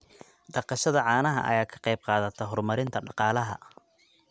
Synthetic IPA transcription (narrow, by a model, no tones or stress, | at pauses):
ɖɑqɑʃɐðɐʕɑːnɐɦɐ̰ʔɐ̰jaːkʰɐ̥qɑjb̚qɑːðɐt̪ʰɐɦɔrmɐɾɪnt̪ʰɐɖɑqɑːlɐɦɐ̰